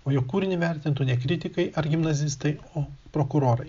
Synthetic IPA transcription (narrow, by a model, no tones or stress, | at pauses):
oːjokuːɾʲɪnʲɪʋʲɛɾʲt̪ʲɪnt̪ʊnʲɛkɾʲɪt̪ʲɪkɐɪʔɐɾɡʲɪmnɐzʲɪst̪ɐɪoːpɾoːkʊɾoːɾɐɪ